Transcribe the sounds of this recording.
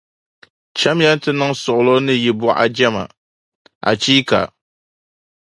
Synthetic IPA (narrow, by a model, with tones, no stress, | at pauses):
t͡ʃa˦mjɛ˦n˦tɨ˦nɨ˦ŋsʊ˨ʔʊ˨lo˦nɨ˦jɪ˨bʊ˦ʔa̰˨d͡ʒɛ˦ma̰˨ | ʔa̰˨t͡ʃiː˦ka̰˨